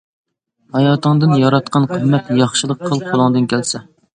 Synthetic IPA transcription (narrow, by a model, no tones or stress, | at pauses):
hɑjɑːt̪ɨŋd̪ɨnjɑɾɑt̪̚qʰɑnqʰəmmːɛt̪jɑχʃɨlˠəq̚qʰːəlˠqʰolˠɨŋd̪ɨnkʲʰælsɛ